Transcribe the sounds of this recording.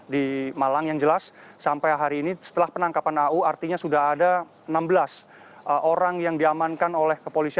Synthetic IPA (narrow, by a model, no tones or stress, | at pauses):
dimalaŋjaŋd͡ʒəlasːampajɦaɾiːnisə̥t̪əlahpənaŋkapanauart̪iɲasudaɦada | ənambəlas | ʔoɾaŋjaŋdiamankanolɛhkəpolisia